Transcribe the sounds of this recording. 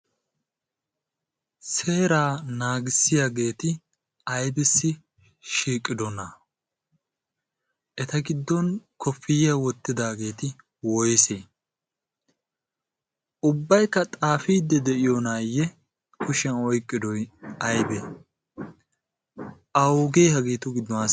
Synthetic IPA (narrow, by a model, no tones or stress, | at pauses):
se̞ːɾaːnaːɡɪsːɪjaɡe̞ːt̪ɪ | ɐjbɪsːɪ | ʃiːkʼːɪd̪ɔnɐ | ʔɛt̪ɐɡɪd̪ːɔnkʰɔfːɪjɐwɔt̪ːɪd̪aːɡe̞ːt̪ɪ | wɔjseː | ʔʊbːɐjkːɐt̪ʼaːfiːd̪ːɛd̪ɛʔɪjonaːjːɛ | kʊʃɐnɔjkʼːɪd̪ɔjɐjbɛ | ʔɐwɡeːhɐɡiːt̪ʊɡɪd̪ːɔnɐ